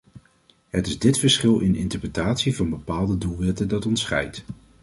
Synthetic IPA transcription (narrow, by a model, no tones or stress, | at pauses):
ɦətɪzdɪtfəɹsχɪlˠʔɪnɪntəɹprətaːtsivɑnbəpaːlˠdədulˠʋɛtədɑtɔntsχɛ̰jt